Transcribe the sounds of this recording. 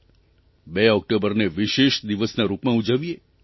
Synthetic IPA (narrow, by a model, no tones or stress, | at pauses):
beɔk̚ʈobəɾneʋiʃeʃd̪iʋəsnaɾupmãud͡ʒəʋie